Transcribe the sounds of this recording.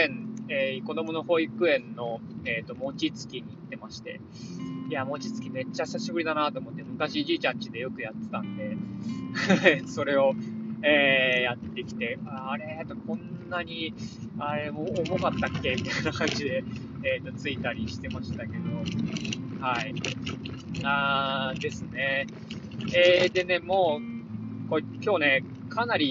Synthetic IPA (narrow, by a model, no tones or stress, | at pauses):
ẽneko̞d̪o̞mo̞no̞ho̞ːikɯ̟ẽ̞nːo̞eːt̪o̞mo̞t͡ɕit͡sɨ̥kʲiɲ̟iːt̪ːe̞maɕi̥t̪e̞̰ | iamo̞t͡ɕit͡sɨ̥kʲime̞t͡ɕːasaɕibɯɾʲid̪anat̪oːmot̪ːemɯ̟kaɕiʑiːt͡ɕãɲt͡ɕid̪e̞jo̞kɯ̟jat̪ːet̪ãnd̪e̞ | so̞ɾe̞o̞eːjat̪ːe̞kʲi̥t̪e̞aːɾe̞et̪okʰõ̞nːaɲ̟i | aɾe̞moːmo̞kat̪ːakːe̞mʲit̪ajnakãɲ̟d͡ʑid̪e̞ | eːt̪ot͡sɨit̪aɾʲiɕi̥t̪e̞maɕi̥t̪ake̞d̪o̞ | hai | aːd̪e̞sɨne̞ | ed̪e̞ne̞mo̞ː | kokʲoːne̞ | kʰanaɾʲi